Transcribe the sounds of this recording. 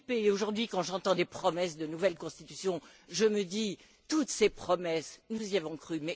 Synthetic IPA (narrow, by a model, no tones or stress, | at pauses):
peoʒuʁd̪ɥikɑ̃ʒɑ̃t̪ɑ̃d̪epχɔmɛsd̪ənuvɛlkɔ̃st̪it̪y̥sjɔ̃ | ʒəməd̪i | t̪ut̪sepχɔmɛsnuziavɔ̃kχymɛ